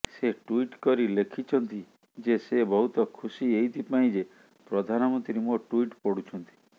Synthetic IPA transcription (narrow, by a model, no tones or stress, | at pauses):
seʈuiʈkɔɾilekʰit͡ʃʰɔnt̪i | d͡ʒesebɔɦut̪ɔkʰusiejt̪ʰipaĩd͡ʒe | pɾɔd̪ʱanɔmɔnt̪ɾiɾemoʈuiʈpɔɽut͡ʃʰɔnt̪i̥